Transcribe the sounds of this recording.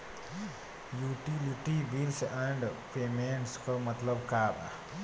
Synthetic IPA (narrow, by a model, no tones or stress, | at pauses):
juʈiliʈibilsɛ̃ɳɖpeːmẽɳʈskomɐt̪ləbkaːba̰